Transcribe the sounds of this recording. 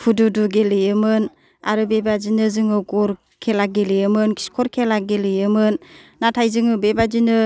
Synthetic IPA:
pʰududuɡelɯjɯmɯn | a̰ɾɯbebazinɯzɯŋɯɡɔɾ | kʰelaɡelijɯmɯnki̥skʰɔɾkʰelaɡelɯjɯmɯnnatʰajzɯŋɯbebazinɯ

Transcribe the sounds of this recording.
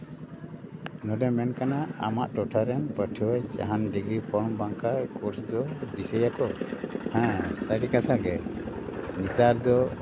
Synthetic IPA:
nɔɖɛmɛnkanaa̰maʔʈɔʈʰaɾɛnpəʈʰiwɛd͡ʒa̰ɦanɖiɡɾipʰɔɽbaŋkakuɾsd͡ʒɔɖisɛjakɔhɛ̃sajʈikat̪ʰaɡɛ | nit͡ʃaɾd͡ʒɔ

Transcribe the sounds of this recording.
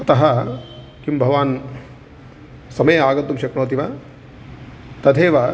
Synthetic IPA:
ɐt̪ɐɦɐ | kimbʱɐʋaːn | sɐmɐjaːɡɐt̪ːumʃɐkɳɐːt̪̬iʋɐ | t̪ɐd̪ʰʱeːʋɐ

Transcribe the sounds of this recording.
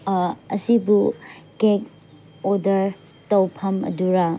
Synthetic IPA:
ɐsibukek̚ | odɐɾ | tɐwpʰɐmɐ̰duɾa

